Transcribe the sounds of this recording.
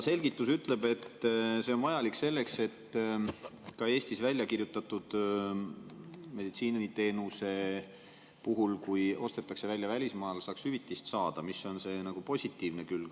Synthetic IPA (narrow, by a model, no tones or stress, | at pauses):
se̞lɡit̪ˑːusyt̪ːˑle̞be̞t̪ːse̞o̞nvɑjɑlikse̞lːe̞kse̞t̪ː | kɑe̞ːsʲt̪isvælʲjɑkirjut̪ːˑɑt̪ːˑud̪̥ | me̞d̪it̪siːnɑnit̪e̞ːnuse̞ | puɦulkujo̞st̪e̞t̪ːˑɑkse̞vælʲːjɑvælʲismɑːlsɑːkshyvit̪ːˑist̪sɑːd̪̥ɑmiso̞nse̞ːnɑɡ̥upo̞sʲit̪ːˑiːvnekylɡ̥